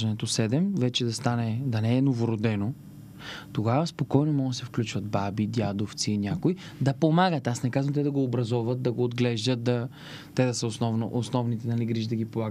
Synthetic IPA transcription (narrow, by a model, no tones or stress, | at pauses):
ɐnɛt̪osɛd̪ɛmvɛt͡ʃɛd̪ɐst̪anɛd̪ɐnɛːnovoɾod̪ɛno | t̪oɡavɐspokɔjnomɔɡd̪ɐsɛfklʲut͡ʃvət̪babid̪jad̪oft̪siːnʲjakoi | d̪ɐpomaɡət̪asnɛkazvə̃mt̪ɛd̪ɐɡoːbɾɐzɔvət̪̚d̪ɐɡoːd̪ɡlɛʒd̪ət̪̚d̪ɐ | t̪ɛd̪ɐsəosnɔvnoʔosnɔvnit̪ɛnɐliɡɾiʒd̪ɐɡipolˠaɡ̪